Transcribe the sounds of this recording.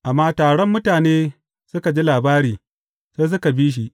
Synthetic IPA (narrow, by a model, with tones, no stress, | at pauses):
ʔa˨mːaː˦taː˨ɽɔ˦mːʊ˦taː˨neː˦ | sʊ˦ka˨d͡ʒi˦laː˨baː˦ɽiː˨ | seː˦s̬ʊ˦ka˨biː˦ʃ̬i˦ʔ